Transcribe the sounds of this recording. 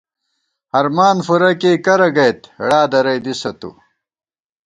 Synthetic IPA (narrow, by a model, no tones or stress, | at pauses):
hɐɾmaːnfuɾɐkekɐɾɐɡɐjt̪ɽaːd̪ɐɾɐjd̪isɐt̪ṵ